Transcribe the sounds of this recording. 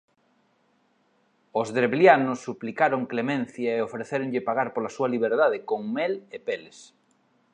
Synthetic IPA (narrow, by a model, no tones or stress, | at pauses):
ozðɾeβljanosːuplikaɾoŋklemẽn̟θjaeofɾeθeɾoŋʎɪpaɣaɾpolasuɐliβ̞eɾðaðekoŋmelepeles